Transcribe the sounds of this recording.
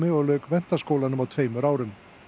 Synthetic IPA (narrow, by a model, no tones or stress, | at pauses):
mɪɔlœːkvɛn̥t̪askowlanʏmawt̪ʰveːjmʏɾaːwɾʏm